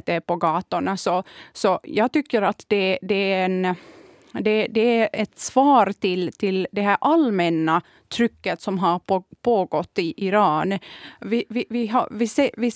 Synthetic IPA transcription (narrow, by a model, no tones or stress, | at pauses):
t̪ɛpɔɡɑːt̪əɳasɔsɔjɑːɡt̪ʏkːəɾat̪d̪ɛd̪ɛæɛn | d̪ɛd̪ɛæɾɛt̪svɑːɾt̪ʰɪlt̪ʰɪld̪ɛɦæɾʔalmɛnːa | t̪ʰɾʏkːət̪sɔmɦaɾpʰoːɡɔt̪ːɪʔɪɾɑːnvɪvɪɪɦɑ̰vɪseːvɪ